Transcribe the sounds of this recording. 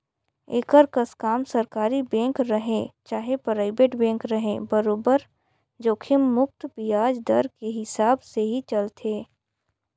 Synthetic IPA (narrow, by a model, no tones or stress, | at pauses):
eːkəɾkəskaːmsəɾkaːɾibẽːŋkɾəɦẽt͡ʃaːɦepɾaːɪbeːʈbẽːŋkɾɐɦẽbəɾoːbəɾ | d͡ʒoːkʰɪmːʊk̚t̪pijaːd͡ʒd̪ə̰ɾkeɦɪsaːbseɦit͡ʃɐlt̪ʰeː